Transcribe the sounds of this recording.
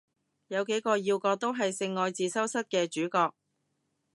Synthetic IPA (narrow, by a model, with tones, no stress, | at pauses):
jɐ˨˧wke˨˥jkɔː˧jiː˧wkɔː˧t̪o˥wɦɐ˨jsɪ˧ŋːɔː˨˧jt͡siː˨sɐ˥wsɐ˥t̚kɛː˧t͡ʃyː˨˥kɔː˧k̚